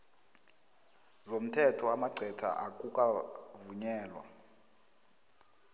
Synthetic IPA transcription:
zom̩tʰɛtʰɔamaɡ͡ǀʱɛtʰa̰ʔak̬ʼukʼavuɲɛːlwa̰

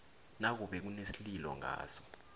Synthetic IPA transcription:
nak̬uɓɛk̬unesililɔ̰ŋʱa̰ːsɔ̥

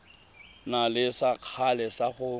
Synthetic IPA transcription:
nalɪsaq͡χʰalɛsaχʊ

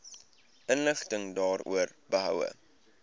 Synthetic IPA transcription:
ʔənləχtəŋdɑːrṵərbəɦœ̰wə̰

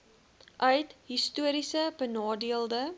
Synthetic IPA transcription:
ʔœɥtɦistuəɾisəbənɑːdiəlˠdə

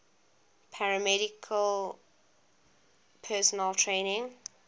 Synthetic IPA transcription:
pʰaɹəmɛɾɪkʰəl | pʰɛsɔnəltʰɹẽːnɪ̃ŋ

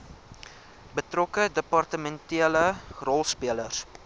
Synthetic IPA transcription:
bətrɔkədəpɑrtəmɛntiələrɔlˠspiələrs

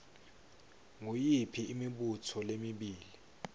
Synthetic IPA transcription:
ŋujipʰiːmiɓutʰɔlemiɓiːli

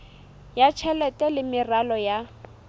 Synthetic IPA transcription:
jat͡ʃʰɛlɛtʼɛlɪmɪralɔja

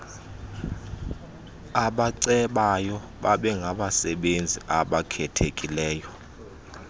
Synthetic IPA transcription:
aɓaǀɛɓajɔ | ɓaɓɛŋɡʱaɓasɛɓend͡zʱiʔaɓakʰɛtʰekʼilɛːjɔ

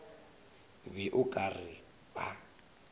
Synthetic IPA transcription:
bɪʔʊkʼarɪ | ba

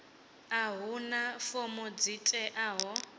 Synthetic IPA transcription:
aɦunafomɔd͡zitʼɛʔaːɦɔ

